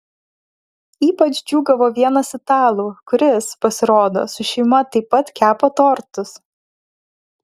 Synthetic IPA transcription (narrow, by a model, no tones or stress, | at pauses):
iːpɐt͡ʃd͡ʒʲuːɡɐʋoːʋʲiɛnɐsɪt̪ɑːlˠuːkʊɾʲɪspɐsʲɪɾoːd̪o̰ːsʊʃʲɛɪmɐt̪ɐɪpːɐt̪kʲæːpoːt̪oːɾt̪ʊs